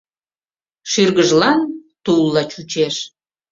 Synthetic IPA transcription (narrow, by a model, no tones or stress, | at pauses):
ʃyrɣəʒlɑnt̪ulˠːɑt͡ɕut͡ɕeʃ